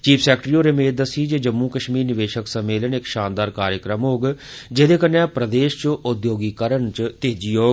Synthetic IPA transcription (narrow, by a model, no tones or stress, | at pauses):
t͡ʃiːpʰsɛːkʈɾiːoːɾeːmeːt̪̚d̪əsiːd͡ʒeːd͡ʒəmːũːkəʃmiːɾnɪʋeːʃəksəmːeːlənɪkʃaːnd̪aːɾkaːɾjəkɾəmɦoːɡd͡ʒed̪eːkənːɛ̃ːpɾəd̪eːʃt͡ʃʔʊd̪joːɡiːkəɾəɳt͡ʃt̪eːd͡ʒiːɦoːɡ